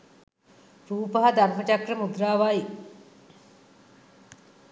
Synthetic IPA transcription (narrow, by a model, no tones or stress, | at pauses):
ɾuːpəɦad̪armət͡ʃakrəmud̪ɾaːʋaji